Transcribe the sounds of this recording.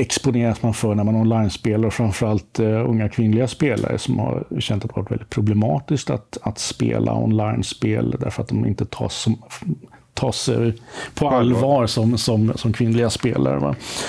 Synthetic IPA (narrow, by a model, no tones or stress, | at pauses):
ɛkspʊneːɾasmanfœɳæɾmanɔnlajnspeːlaɾɔfɾamfœɾalt̪ɵŋːakʰvɪnlɪɡaspeːla̰ɾə̰sɔmha̰ɾɕɛnt̪at̪va̰ɾʈ̪vɛ̰ld̪ɪt̪̚pʰɾʊblɛmɑːt̪ɪskt̪at̪at̪spḛːlʔa̰ɔ̰nlaɪnspeːld̪æ̰ɾfœɾat̪̚d̪ɔmɪ̰nt̪ət̪ʰɑːsɔ | t̪ʰɑːsɛjpʰɔalvɑːɾsɔmsɔmsɔmkʰvɪnlɪɡaspeːla̰ɾə̰va̰